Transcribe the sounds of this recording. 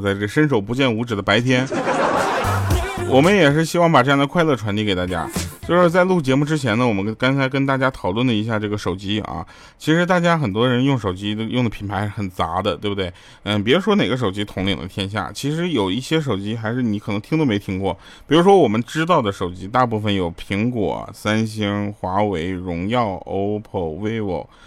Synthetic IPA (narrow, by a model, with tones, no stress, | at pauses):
t͡sa˥˧ɪʈ͡ʂɤ˥˩ə˩ʂə˥nʂ̬o˨˩ʊp̬u˧˥t͡ɕjɛ˥˩nu˧˥ʈ͡ʂɻ̩˨˩d̪ə˦pa˧˥ɪt̪ʰjɛ˥n | wʔɔ˨˩mə˦njɛ˨˩ʂ̬ɻ̩˥˩ɕi˥wɑ˥˩ŋpa˨˩ʈ͡ʂɤ˥˧jɑ˥˧ŋd̪ə˧kʰwa˧lɤ˥˩ʈ͡ʂʰwa˧˥nt̪i˥˩ke˨˩ɪt̪a̰˥˩t͡ɕja̰˥t͡ɕjo˥˧ʊʂɻ̩˥˧t͡sa˥˧ɪlu˥˩t͡ɕjɛ˧˥mu˥˧ʈ͡ʂɻ̩˥t͡ɕʰjɛ˧˥nə˨wɔ˨˩mə˦nkɑ˥ŋt͡sʰa˧˥ɪkə˥nt̪a˥˩t͡ɕja˥t̪ʰɑ˨˩ʊlwə˥˩nlə˩i˧˥ɕja˥˧ʈ͡ʂɤ˥˩ɡə˩ʂo˨˩ʊt͡ɕi˥ɐ̰˧˩ | t͡ɕʰi˧˥ʂɻ̩˧˥t̪̬a˥˩t͡ɕja˥xə˨˩nt̪wɔ˥ə˧ɻə˧˥njʊ˥˩ŋʂo˨˩ʊt͡ɕi˥˧jʊ˥˩ŋd̪əpʰi˨˩npʰa˧˥ɪxə˨˩nt͡sa̰˧˥d̪ə˧t̪we˥˩b̪we˥˩ɪ | ə˥˧p̬i˨˧˥ɻu˧˥ʂwɔ˥ne˨˩ɪɡə˦ʂ̬o˨˩ʊt͡ɕi˥t̪ʰʊ˧˥ŋlḭ˨˩ŋd̪ə̰˦t̪ʰjɛ˥nɕ̬ja̰˥˩t͡ɕʰi˧˥ʂɻ̩˧˥jo˨˩ʊi˥˩ɕjɛ˥ʂ̬o˨˩ʊt͡ɕi˥xa˧˥ɪʂɻ̩˥˩ni˧˥kʰɤ˨˩nɤ˧˥ŋʰi˥ŋd̪o˥˧me˧˥ɪt̪ʰi˥ŋkwɔ˥˩ | ppi˨˩ɻu˧˥ʂ̬wɔ˥wɔ˨˩mə˦nʈ͡ʂɻ̩˥t̪̬ɑ˥˩ʊd̪ə˩ʂo˨˩ʊt͡ɕi˥t̪a˥˧pu˥˩fə˨˩njo˨˩ʊpʰi˧˥ŋkwɔ̰˨˩˦sa˥nɕ̬i˥ŋxwa˧˥we˧˥ɪɻʊ˧˥ŋjɑ˥˩ʊo˥ʊpʰo˥˩ʊwe˥ɪwo̰˨˩˦ʊ